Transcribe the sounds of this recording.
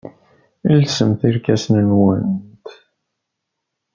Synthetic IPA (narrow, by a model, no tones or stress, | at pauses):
ilsəmθiɾkæsnənwənt̪